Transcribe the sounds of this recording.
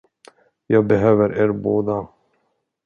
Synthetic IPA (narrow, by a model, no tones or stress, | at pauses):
jɑːɡ̚bɛɦøːvəɾʔeːɾboːd̪a